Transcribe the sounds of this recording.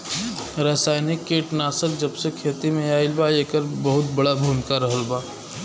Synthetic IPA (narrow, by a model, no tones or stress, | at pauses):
ɾəsaːjnikːeːʈnaːsək̚d͡ʒəbsekʰːeːt̪imẽaːilbaleːkəɾbəɦʊt̪̚bəɽabʱumɪkaɾəɦəlbaː